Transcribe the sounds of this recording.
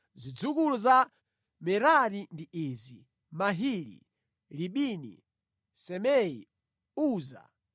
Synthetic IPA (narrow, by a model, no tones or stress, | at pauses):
zid͡zukuluza | mɛɾaɾindiʔiːzi | maɦilḭ | liɓinḭ | sɛmɛḭ | uːza̰